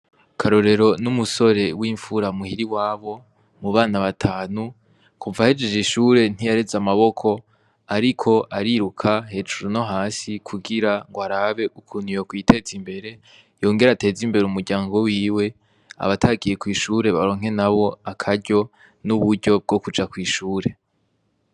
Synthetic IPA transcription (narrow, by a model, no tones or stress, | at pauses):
kʰaɾo̞ɾe̞ɾo̞numuso̞ɾe̞wiːɱfuɾamuhiɾiwaːβo̞ | muβaːnaβatʰaːnu | kʰuvahid͡ʒe̞d͡ʒiʃuɾe̞n̥ijaɾezamaβo̞kʰo̞ | aɾikʰo̞ʔaɾiɾukʰaɦe̞d͡ʒuɾuno̞ɦaːsikʰuɡiɾaŋɡwaɾaβe̞ʔukʰun̥ijokwiːtʰe̞ːzimbe̞ɾe̞ | jo̞ːŋɡe̞ɾate̞ːzimbe̞ɾeumuɾɡɟaːŋɡo̞wiːwe̞ | a̰βatʰaɡije̞kwiːʃuɾe̞βaɾo̞ːŋ̥he̞naβo̞akʰaɾɟo̞ | nuβuɾɟo̞b̚ɡo̞kud͡ʒakwiːʃuːɾe̞